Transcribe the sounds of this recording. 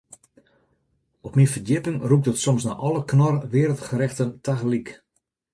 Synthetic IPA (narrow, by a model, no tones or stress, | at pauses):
ɔpmifərdɪpɪŋrup̚dətsɔmsna̰ʔɔləknɔrʋɪːɾəl̩ˠtχəɾɛxtəntaɣlik